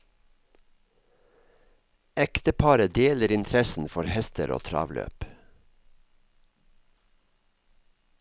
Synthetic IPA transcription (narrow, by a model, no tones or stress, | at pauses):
ɛkt̪əpʰɑːɾəd̪eːləɾɪnt̪ʰɾɛsn̩fɔɾhɛst̪əɾʔo̰ːt̪ʰɾɑ̰ːʋlø̰ːp